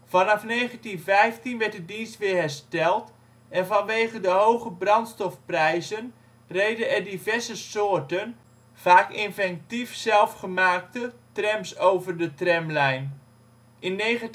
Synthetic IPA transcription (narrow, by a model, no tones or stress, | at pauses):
fɑnɑfnejχəntinvɛjftinʋɛɹt̚dədinstʋɪːɹɦɛɹstɛlˠt | ɛnvɑnʋejχədəɦowχəbrɑntstɔfprɛjzən | rejdəɛrdivɛɹzəsoːrtən | v̥aːkɪnvɛn̚tifsɛlˠfχəmaːk̚tətrɛmsowvərdətrɛmlɛjn | ʔɪnːe